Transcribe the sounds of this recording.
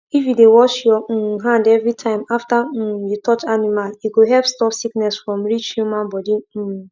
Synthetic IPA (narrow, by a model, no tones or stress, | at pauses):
ifjudewɔʃjɔɦãndɛvɹitʰãɪ̃maftajutɔt͡ʃanimaliɡoɦɛlpstɔpsiknɛsfɹɔ̃mɹit͡ʃjumãnbɔdi